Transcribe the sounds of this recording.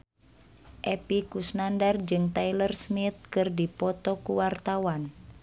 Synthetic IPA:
ʔɛpikusnandard͡ʒɨŋt̪ajlərsmit̪̚kɨrdipɔt̪ɔkuwart̪awan

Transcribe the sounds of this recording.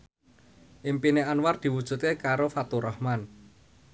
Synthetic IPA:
ʔimpineanward̪̥i̤wud̥ʒ̥ṳt̪kekaɾofat̪uɾɔhman

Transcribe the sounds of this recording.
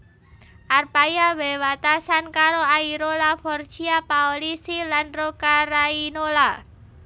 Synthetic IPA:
ʔarpajawewat̪asankaɾoaiɾolafɔrd̥ʒ̥iapaolisilanrokaɾainola

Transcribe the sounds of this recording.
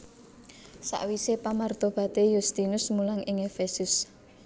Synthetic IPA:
sa̰ʔwisepamard̪̥ɔ̤b̥ä̤t̪ejust̪inʊsmulaŋɪŋefesʊs

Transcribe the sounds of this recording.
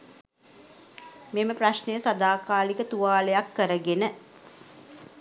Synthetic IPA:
meməpraʃnəjəsad̪aːkaːlikət̪uʋaːlejakːəɾəɡenə

